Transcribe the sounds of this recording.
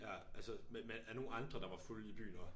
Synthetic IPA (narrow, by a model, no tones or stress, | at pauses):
jæʔælsəmemenæɐno̝ːn̩ɑ̈nd̥ʁɐd̥ɑ̈ʋɑ̈fulib̥y̰ːnɒ